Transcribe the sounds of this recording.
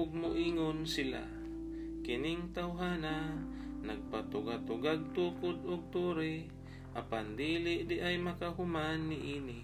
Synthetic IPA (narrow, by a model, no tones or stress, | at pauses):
ʊɡ̚mʊʔiːŋonsɪla̰ | kɪnɪŋt̪awɦaːna | naɡ̚pat̪ʊɡat̪ʊɡaɡ̚t̪uːkʊd̪ʊɡ̚t̪uːɾɪ | ʔapand̪iːlɪʔd̪ɪʔajmakaɦʊmanːɪʔiːnɪ